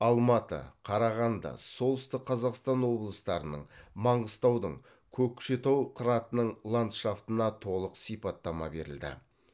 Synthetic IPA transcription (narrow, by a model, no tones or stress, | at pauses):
ɑlˠmɑt̪ə̰qʰɑɾɑʁɑnd̪ɑ̰so̞lˠəst̪əqʰːɑzɑqst̪ɑnwo̞blˠəst̪ɑɾənə̰ɴmɑɴʁəst̪ɑwd̪əɴ | kʲʰɵkʲʰːʃe̞t̪ɑwqʰəɾɑt̪ənəɴlˠant̪ʃaft̪ənɑt̪ʰo̞lˠəqsijpɑt̪ːɑmɑ̰be̞ɾɪ̰ld̪ɪ̰